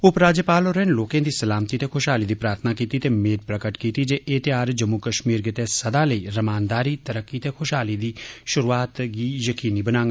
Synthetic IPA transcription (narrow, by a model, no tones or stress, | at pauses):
ʊpɾaːd͡ʒəpaːloːɾɛːnloːkẽːd̪iːsəlaːmt̪it̪ekʰʊʃɦaːliːd̪iːpɾaːɾt̪ʰənakiːt̪it̪eːmeːd̪̚pɾəkəʈkiːt̪id͡ʒeːʔeːt̪eaːɾd͡ʒəmːukəʃmiːɾɡɪt̪esəd̪aːləiːɾəmaːnd̪aːɾiːt̪əɾəkːit̪eːkʰʊʃɦaːlid̪iːʃʊɾuːaːt̪ɡiːjəkiːniːbənãːŋɡ